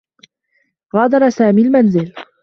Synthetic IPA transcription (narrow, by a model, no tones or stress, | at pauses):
ɣɑːd̪ɑɾˤɑsaːmiːlmanzɪl